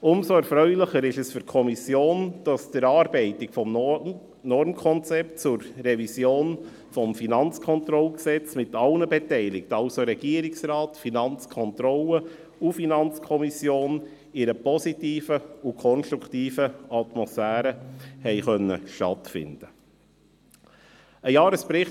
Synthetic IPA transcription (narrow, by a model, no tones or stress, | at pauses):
ʊmsoɛɾfɾœʏlɪχəɾɪʃəsfʏɾkʰɔmisjoːnd̥ɑsd̥əɾɑːɾb̥ɛɪtɪkfɔm | nɔɾmkʰɔnt͡sɛp̚tt͡sʊɾːɛvisjoːn | fɔmfinɑnt͡skʰɔnt̪ɾɔlksɛt͡smɪtɑlnəbɛtɛɪlɪk̚tɑlsoɾɛɡ̥iəɾɪksɾɑːtfinɑnt͡skʰɔnt̪ɾɔlə | ufinɑnt͡skʰɔmisjoːn | ɪɾəpɔsitiːfəukʰɔnʃtɾuktiːfəɑtmɔsfæːɾəhɛɪχœnːə̰ʃtɑ̰tfɪ̰nd̥ə | əjɑːɾəspɾɪχ